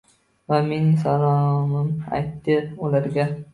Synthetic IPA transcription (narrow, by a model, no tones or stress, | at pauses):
vamensalˠɒmɪma̰jt̪ːɪʊlaɾɡʲa